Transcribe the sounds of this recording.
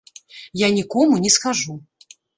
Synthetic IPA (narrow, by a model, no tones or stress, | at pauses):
janʲikɔmunʲɛskaʐu